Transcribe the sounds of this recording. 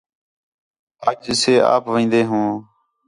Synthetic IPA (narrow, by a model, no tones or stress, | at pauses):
əːd͡ʒseːa̰ːpʋĩːnd̪eːɦũː